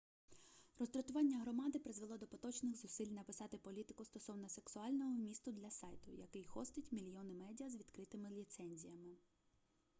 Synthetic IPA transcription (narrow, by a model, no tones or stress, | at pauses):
rɔzt̪ɾɔt̪ʊʋɑnʲːɐɦɾɔmɑd̪ɪpɾɪzʋelˠɔd̪ɔpɔt̪ɔt͡ʃnɪxzʊsɪlʲnɐpɪsɑt̪ɪpɔlʲit̪ɪkʊst̪ɔsɔwnɔse̞ksʊɑlʲnɔɦɔmʲist̪ʊd̪lʲɐsɑjt̪ʊjɐ̰kɪjxɔst̪ɪtʲmʲilʲjɔnɪmɛdʲiɐzʋʲid̪̥kɾɪt̪ɪmɪlʲit̪sɛnʲzʲijɐmɪ